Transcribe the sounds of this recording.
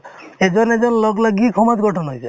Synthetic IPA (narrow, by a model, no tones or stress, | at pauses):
ed͡ʒɔned͡ʒɔnlɔɡlaɡikʰɔmaɡʱɔʈʰɔnɦɔjse